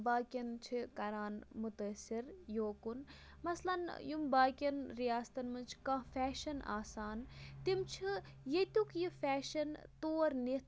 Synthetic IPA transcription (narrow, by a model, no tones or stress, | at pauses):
baːkʲɐnt͡ʃʰikɐɾaːnmut̪əsiɾjoːkun | mɐslɐnjumbaːkʲɐnɾijaːst̪ɐnmɐnt͡ʃʰkãːfɛːʃɐna̰ːsaːnt̪imt͡ʃʰi | jet̪ukjifɛːʃɐnt̪oːɾni